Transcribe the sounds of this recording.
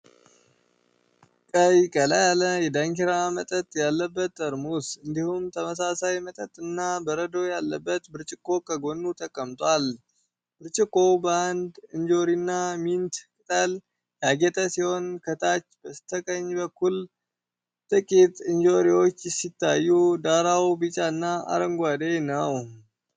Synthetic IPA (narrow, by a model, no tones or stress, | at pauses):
kʼəjkʼələjaləjɛd̪aŋkiɾamət̪ʼət̪ʼjalːəbːət̪ːəɾmusɨnd̪ihumt̪ʰəməsasajmət̪ʼət̪ʼɨnːabəɾəd̪o̞jalːəbːət̪bɨɾt͡ʃʼɪkʼːo̞kʰəɡo̞nːut̪ʰəkʼːəmt̪ʼwal | b̥ɨɾt͡ʃʼɪkʼːo̞bəand̪ɨnd͡ʒo̞ɾinːamint̪kʼɨt̪ʼəl | jaɡɛt̪ʼəsiho̞nkʰət̪ʰat͡ʃːb̥əsɨ̥t̪ʰəkʼəɲːbəkːul | t̪ʼɨkʼit̪ʼɨnd͡ʒo̞ɾiwo̞t͡ʃːjɛsit̪ʰːajːud̪aɾawbɨt͡ʃʼanːaa̰ɾəŋɡʷad̪ejnəw